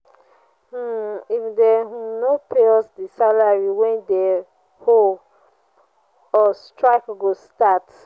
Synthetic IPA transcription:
ifdɛnopʰeɔsdisalaɹiwɛ̃nde | hol | ɔstɹaɪkɡostat

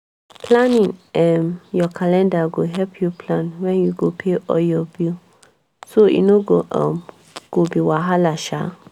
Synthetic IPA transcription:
pʰlãnĩŋɛmjɔkʰalɛ̃ndaɡoɦɛpʰjupʰlãnwɛ̃njuɡopʰeʔɔ̰ljɔbil | soḭnoɡoʔã̰m | ɡ̥obiwaɦalaʃa̰

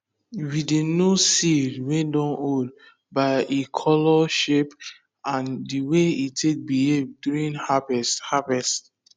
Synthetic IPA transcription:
widenosidwɛ̃ndɔ̃nod | baɪʔekʰɔlɔʃep | ãndiweitʰek̚bihevduɹĩnhabɛshavɛst

